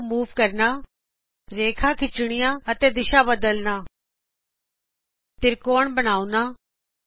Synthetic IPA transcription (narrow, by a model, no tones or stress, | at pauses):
muːʋkəɾnaː | ɾeːkʰãːkʰɪt͡ʃɽ̃ɪjãːət̪eːd̪ɪʃaːbəd̪əlnaː | t̪ɪɾkoːɳbəɽ̃aːunaː